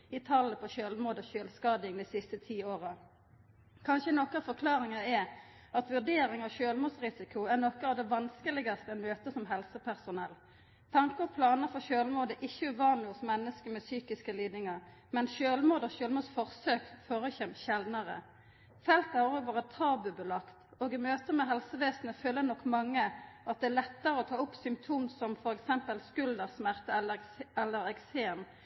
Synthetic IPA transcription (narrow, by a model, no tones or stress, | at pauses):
ɪt̪ʰɑlːəpʰɔʃøːlmuːd̪oɕøːlskɑːd̪ɪŋd̪ɛsɪst̪ət̪ʰiːoːʁə | kʰɑnʃənɔkːɑfɔkʰlɑːʁɪŋɑɛ | ɑt̪ʋʉʁd̪eːɾɪŋɑʋʃøːlmuːd̪sʁɪsɪkʰʊæʁnɔkːɑʋd̪ɛʋɑnskəlɪɡɑst̪əəmøːt̪əsɔmɦɛlsəpʰæʁsʊnɛl | t̪ʰɑŋkəpʰlɑːnəfɔʃøːlmuːd̪əʔɪçːəʉʋɑːnʊsmɛnːəskəmɛsyːkɪskəliːd̪nɪŋɑʁ | mɛnɕøːlmuːd̪ɔɕøːlmuːsfɔʁsøːkfoːɾəçɛmçɛld̪nəʁə̰ | fɛlt̪æʁʁɔːɡʋoːʁət̪ʰɑːbʉbəlɑkt̪oːɡɪmøːt̪əmɛɦɛlsəʋeːsnəføːlənɔkːmɑŋːəʔɑt̪̚d̪ɛælɛt̪ːəʁəɔt̪ʰɑːʊpsʏmt̪ʰuːmsɔmfɔɾɛksɛmpəlskʉld̪əʁsmæʁt̪əɛlːəɛlːəɾɛkseːn